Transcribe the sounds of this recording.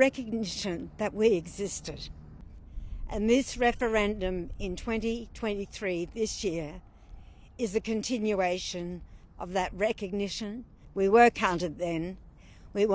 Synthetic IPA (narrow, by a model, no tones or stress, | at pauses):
ɛkɨɡ̚nɪʃɨ̃nðɨt̚wiɨɡzɪstɨɾ | ʔɨ̰̃nðɪsɹɛfə˞ɛ̃ndɨ̃mɪ̃ntʰw̥ɛ̃ntitʰw̥ɛ̃ntiθɹiðɪsjɪɹ | ɨzɨkɨ̃ntʰɪ̃njueɪʃɨ̃nʔʌvðɨt̚ɹɛkɨɡ̚nɪʃɨ̃nwiwə˞kʰãʊ̃ntɨd̪̚ðɨ̃n | wiw